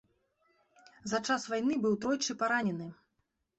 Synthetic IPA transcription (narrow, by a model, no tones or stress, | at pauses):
zat͡ʂasvajnɨbɨwt̪ɾɔjt͡ʂɨpaɾanʲɛnɨ